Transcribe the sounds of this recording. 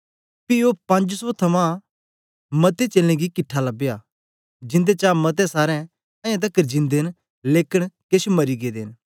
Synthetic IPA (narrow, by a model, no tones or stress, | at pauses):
piopɐ̃nd͡ʒsɔt̪ʰɐmã | mɐt̪et͡ʃelẽɡikɪʈʰːalɐbejaː | d͡ʒɪ̃nd̪et͡ʃaːmɐt̪̬ɛ̃saːɾɛ̃ | ɐ̃jãt̪̬ɐkːəɾd͡ʒɪ̃nd̪eːn | leːkəɽ̃keʃmɐɾiɡeːd̪ḛːn